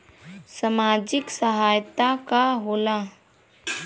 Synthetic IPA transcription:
səmaːd͡ʒɪksəɦaːjt̪akaɦoːla

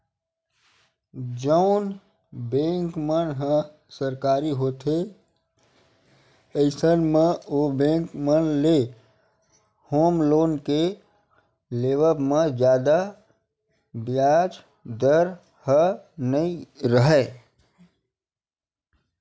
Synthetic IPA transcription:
d͡ʒəʊn | bẽŋkmənɦə̃ | səɾkaɾiɦoːt̪e | əɪsənmeobẽŋkmənle | hoːmloːnke | leːʋəpmed͡ʒjaːd̪a | bjad͡ʒ | d̪əɾ | hənəiɾəɦɛ

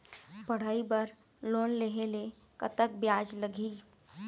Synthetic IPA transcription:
bɐɽ̤aːibəɾ | loːnleɦele | kət̪əkbjaːd͡ʒləɡʱiː

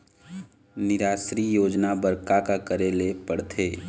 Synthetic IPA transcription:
nɪɾaːʃɾijoːd͡ʒnabəɾkakakəɾelepəɽt̪ʰeː

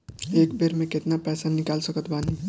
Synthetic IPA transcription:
ekbeɾmẽket̪napɛsanikalsəkət̪bani

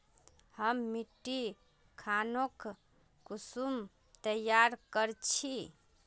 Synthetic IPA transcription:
həmːiʈːi | kʰanok | kusum | t̪əjaɾkəɾt͡ʃʰi

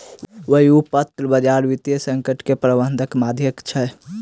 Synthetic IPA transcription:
ʋəɦiupət̪ɾəbəd͡ʒaɾʋit̪jəsə̃ŋkəʈkepɾəbənd̪ʱəkmad̪ʱjəkt͡ʃʰɛ

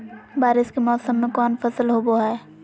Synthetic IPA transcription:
baːɾɪskemɔːsəmːẽkɔːnfɐsəlɦoboɦɛː

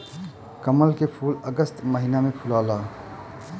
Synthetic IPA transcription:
kəməlkepʰuːləɡəst̪məɦiːnamẽpʰʊlaːlaː

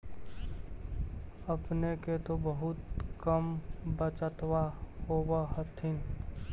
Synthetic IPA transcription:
əpneket̪obəɦʊt̪kəmbət͡ʃət̪wahowaɦət̪ʰin

